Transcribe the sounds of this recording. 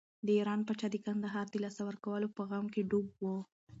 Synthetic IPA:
d̪əiɾɑnpat͡ʃɑd̪əkand̪aɦɑɾd̪əlɑsawəɾkawəlopəɣamkeɖub̚wo

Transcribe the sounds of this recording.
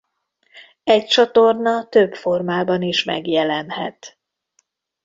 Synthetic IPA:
ɛc̚t͡ʃɒt̪o̞rnɒt̪øbfo̞rmaːbɒniʃmɛ̰ɡjɛlɛnhɛt̪

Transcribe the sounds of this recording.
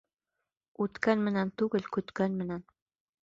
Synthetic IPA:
ut̪kænmɘ̆nænt̪uɣɘ̆lʲkʉt̪kænmɘ̆næn

